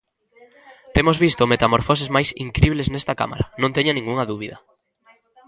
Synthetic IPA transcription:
t̪emozβist̪omet̪amoɾfɔsezmajsḭŋkɾiβleznest̪ɐka̰ma̰ɾɐnõnt̪eɲanĩŋɡuŋɐðuβiðɐ̰

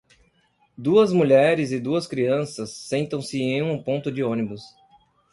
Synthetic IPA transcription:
d̪uɐzmuʎɛɾɪzɪd̪uɐskɾiɐ̃sɐsːẽnt̪ɐ̃w̃sɪẽj̃ũpõnt̪ʊd͡ʒɪõnibʊs

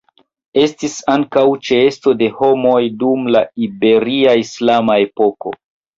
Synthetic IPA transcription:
e̞stisaŋkawt͡ʃeesto̞de̞ho̞mo̞jdumlaibe̞ɾiaislamae̞po̞ko̞̰

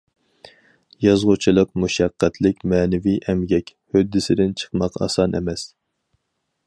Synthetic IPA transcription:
jɑzʁʊt͡ʃʰilˠəqmuʃæqːæt̪ʰlɪkʲmɛːnɪvijʔɛmɡʲɛkʲhød̪ːɪsɪd̪ɪnt͡ʃʰə̥qmɑqɑ̰sɑnʔḛmɛs

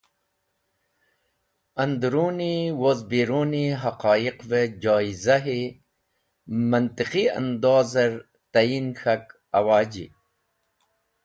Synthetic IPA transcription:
ɐnd̪ɾuːniwozbiːɾuːniɦɐqɑːiqved͡ʑaːizaɦi | mɐnt̪iqia̰nd̪oːzɐɾ | t̪ajinxak | ɐ̰waːd͡ʑḭ

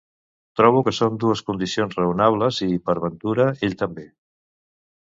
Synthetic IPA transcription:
t̪ɾɔβ̞ukəsond̪uəskund̪isionzrəunaβləzipəɾβənt̪uɾəeʎt̪əmbe

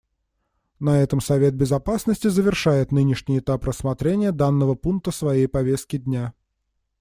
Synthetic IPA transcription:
nɐɛt̪əmsɐvʲe̞t̪̚bʲɪzɐpasnəsʲtʲɪzəvʲɪrʂajɪt̪nɨnʲɪʂnʲɪjɪt̪aprəsːmɐt̪ɾʲenʲɪjəd̪anːəvəpunk̚t̪əsvɐjejpɐvʲest̪̚kʲɪd̪ʲnʲa

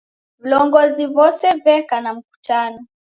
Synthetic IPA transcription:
vilɔŋɡɔzivɔsɛvɛkanam̩ku̥tanɔ

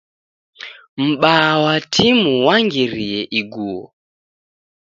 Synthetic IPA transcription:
m̩ɓawatʰimuwaŋɡiɾiɛʔiɡuːɔ̰

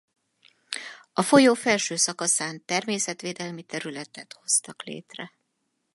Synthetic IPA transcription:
ɒfo̞joːfɛlʃøːsɒkɒsaːnt̪ɛrmeːsɛt̪ʋeːd̪ɛlmit̪ɛɾylɛt̪ɛt̪ho̞st̪ɒklḛːt̪rɛ

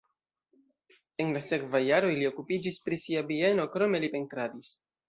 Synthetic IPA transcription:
e̞nlase̞kvajːaɾo̞jlio̞kupid͡ʒispɾisiavie̞no̞kɾo̞me̞lipe̞ntɾadis

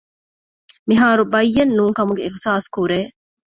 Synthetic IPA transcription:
miɦaːɾubɐjːɐnːuːŋkɐmuɡeixsaːskuɾeː

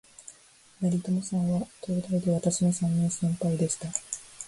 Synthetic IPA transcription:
maɾʲit̪o̞mosãɰ̃βat̪o̞ːd̪aid̪e̞βat̪aɕino̞sãɲːĩsẽ̞mpaid̪e̞ɕi̥t̪a

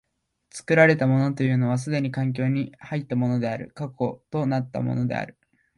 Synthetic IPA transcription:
t͡sɨ̥kɯ̟ɾaɾe̞t̪amo̞no̞t̪o̞jɯ̟ːno̞βas̬ɨd̪e̞ɲ̟ikãŋk̬ʲo̞ːɲ̟ihait̪ːamo̞no̞d̪e̞aɾɯ̟̰kako̞t̪o̞nat̪ːa̰mo̞̰no̞d̪e̞̰a̰ɾɯ̟̥

